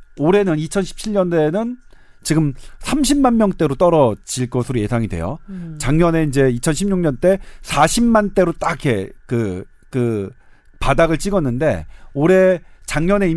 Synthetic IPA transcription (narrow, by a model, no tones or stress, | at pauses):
oɾe̞nɯnit͡ɕʰʌnɕʰi̥p̚t͡ɕʰiʎɲʌnde̞nɯn | t͡ɕiɡɯmsʰamɕʰimmanmjʌŋt͈e̞ɾot͈ʌɾʌd͡ʑiɭk͈ʌsʰɯɾoje̞sʰaŋidwḛjo̰t͡ɕaŋɲʌne̞ind͡ʑe̞it͡ɕʰʌnɕʰimɲuŋɲʌnt͈e̞sʰaɕʰimmːant͈e̞ɾot͈ake̞kɯ | kɯ | padaɣɯɭt͡ɕ͈iɡʌnːɯnde̞̰oɾe̞t͡ɕaŋɲʌne̞i